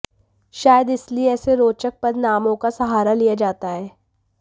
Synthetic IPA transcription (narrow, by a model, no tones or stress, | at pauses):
ʃaːjəd̪ɪslieɛːseɾoːt͡ʃək̚pɐɾnaːmõkasɐɦaːɾalijad͡ʒaːt̪aɦɛː